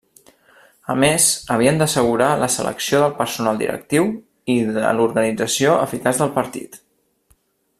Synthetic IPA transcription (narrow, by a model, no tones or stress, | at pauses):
əmezəβ̞iənd̪əsəɣuɾaləsə̰lə̰ksioðəlˠpəɾsunalˠd̪ḭɾə̰k̚t̪iw | iðə̰luɾɣənid͡zəsioə̰fikazðəlˠpəɾt̪ḭt̪